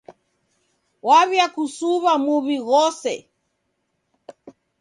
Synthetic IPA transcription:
waβjakusuβamuβiɣɔsɛ̰

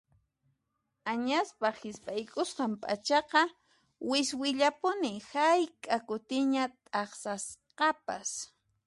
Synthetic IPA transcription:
aɲaspahɪspʼajkʼʊstampʼa̰t͡ʃɑqɑ | wɪswɪʎapʊnɪhajkʼakʊt̪ɪɲat̪ʼɑχsasqɑpas

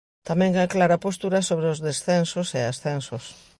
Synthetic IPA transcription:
t̪amɛ̃ŋaklaɾapost̪uɾɐsoβɾeʊzðesθɛnsoseasθɛnsos

